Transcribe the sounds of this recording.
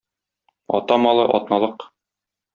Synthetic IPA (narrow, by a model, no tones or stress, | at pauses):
ɒ̰t̪ɑmɒlˠɤʔɒ̰t̪nɑlˠɤq